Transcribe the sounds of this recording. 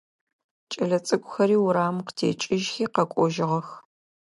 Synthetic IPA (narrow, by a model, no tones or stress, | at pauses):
t͡ʃʼɐɮɐt͡sʼɨkʷʼʊxɐɾiːwʊɾaːmqtʰḛːt͡ʃʼɪʒxiːqɐkʷʼɔʒɪʁɐx